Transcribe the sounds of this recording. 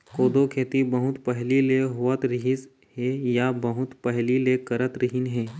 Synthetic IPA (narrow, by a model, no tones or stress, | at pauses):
koːd̪okʰeːt̪ibəɦʊt̪pəɦlileɦʊʋət̪ɾɪɦɪs | ɦejabəɦʊt̪pəɦlilekəɾət̪ɾɪɦɪnɦeː